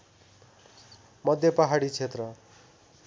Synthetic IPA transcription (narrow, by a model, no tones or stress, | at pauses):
mʌd̪ʱjʌpʌɦaɽit͡sʰet̪rʌ